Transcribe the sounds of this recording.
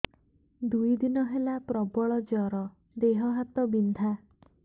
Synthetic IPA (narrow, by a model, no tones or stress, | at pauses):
d̪ujd̪inɔɦelapɾɔbɔɭɔd͡ʒɔɾɔ | d̪eɦɔɦat̪ɔbind̪ʱa